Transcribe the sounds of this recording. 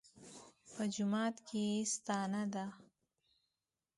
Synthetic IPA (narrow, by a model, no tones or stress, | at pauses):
pəd͡ʒʊmɑːt̪kʰest̪ɑːnad̪a